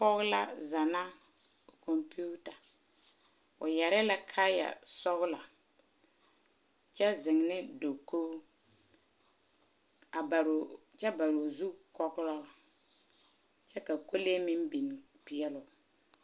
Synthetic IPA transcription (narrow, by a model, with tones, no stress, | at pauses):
kɔ˦ɣʊ˦la˦za˨na˦˨ | kɔ˨mpu˦ta˨ | ʊ˨jɛ˨ɾɪ˦la˦kʰa˦ja̰˨sɔ˦ɣla˨ | t͡ʃɛ˦zɪ˨ŋnɪ˦do˨ko˦ | a˨bɾ | t͡ʃɛ˦ba˨ɾo˨zu˦kɔ˦ɣʊ˦lɔ˦˨ | t͡ʃɛ˦ka˨ko˦le˦mɪ˦mbi˨n˨ | piɪ˦ɛ˦lʊ˨